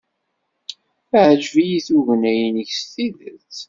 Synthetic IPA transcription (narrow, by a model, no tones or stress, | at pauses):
ʕəʒvijiθuʝənæjənəçstiðət͡s